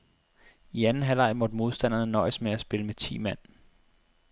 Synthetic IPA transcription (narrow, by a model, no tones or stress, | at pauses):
iænn̩ɦælɑ̈ɪ̰mɔ̽d̥mo̝ð̞ˠsd̥æn̰ɐnənɒ̽ɪəsmeæsb̥e̝ləmet͡sʰḭːmæn̰